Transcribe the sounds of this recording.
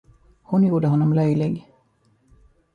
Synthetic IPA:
hʊnjuːɖəɦɔnːɔmlœjlɪɡ

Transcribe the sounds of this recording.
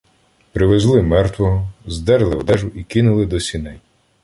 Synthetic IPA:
pɾɪʋezlˠɪmɛrt̪ʋɔɦɔzd̪ɛɾelˠɪwd̪ɛʒʊʔikinʊlˠɪd̪ɔsʲinɛj

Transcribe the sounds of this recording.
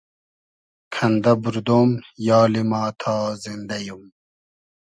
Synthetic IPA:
kʰɐnd̪ɐbuɾd̪oːmjɑːlimaːt̪ʰaːzind̪ɐjum

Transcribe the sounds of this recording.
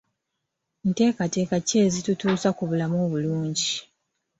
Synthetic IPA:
n̩te̞ːkate̞ːkace̞ːzitutuːsakuβulamo̞ːβuluːɲɟi

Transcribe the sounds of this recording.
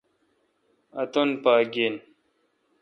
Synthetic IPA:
ɐt̪onpaːɡen

